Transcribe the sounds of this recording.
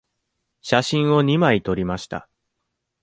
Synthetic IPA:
ɕaɕĩɰ̃o̞ɲ̟imait̪o̞ɾʲimaɕi̥t̪a̰

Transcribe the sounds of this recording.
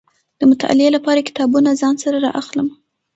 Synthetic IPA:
d̪̥əmʊt̪a̰ʔa̰lɪelapɑɾakɪ̥t̪ɑbunazɑnsaɾaɾɑ̰ʔaxləm

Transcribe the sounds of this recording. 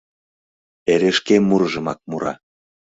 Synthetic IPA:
eɾeʃkemːuɾɤʒə̆mɑk̚muɾɑ̰

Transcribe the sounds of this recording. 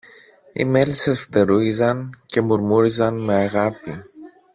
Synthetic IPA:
ḭme̞lisesft̪e̞ɾuizɐnce̞muɾmuɾizɐnme̞ɐɣɐpi

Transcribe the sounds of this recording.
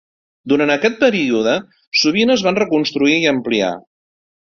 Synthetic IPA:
d̪uɾant̪əkɛt̪̚pəɾiuðə | suβ̞inəːzβanrəkunst̪ɾuiiəmplia̰

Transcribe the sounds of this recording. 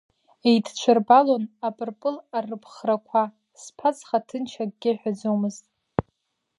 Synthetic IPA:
ejtʰt͡ʃʷʰarbalonapʼɨrpʼɨlarɨpʰχrakʷʰa | spʰat͡sʰʼχatʰɨnt͡ʃʰaɡɡʲɪħᶣad͡zomɨztʼ

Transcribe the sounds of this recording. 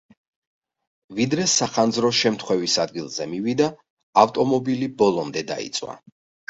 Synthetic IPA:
vid̪ɾɛsaχand̪zɾɔʃɛmt̪ʰχwɛvisad̪̚ɡilˠzɛmivid̪aː | ft̪ʼɔmɔbilibɔlˠɔmd̪ɛd̪a̰ḭt̪sʼwa̰

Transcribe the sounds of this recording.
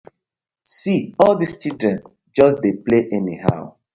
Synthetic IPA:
siɔldist͡ʃildɹɛ̃n | d͡ʒɔsdepleʔɛniha̰ʊ

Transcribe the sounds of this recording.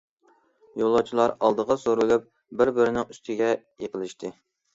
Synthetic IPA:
jolˠːɑt͡ʃʰilˠɑɾɑlˠd̪əʁɑsoɾɨlˠup̚ | bɪɾbɪɾɪnɪŋyst̪ʰɪɡʲɛ | jeqəlˠɪʃt̪ʰɨ

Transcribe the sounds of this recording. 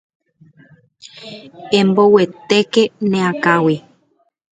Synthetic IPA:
ẽmbowet̪ekenẽakawi

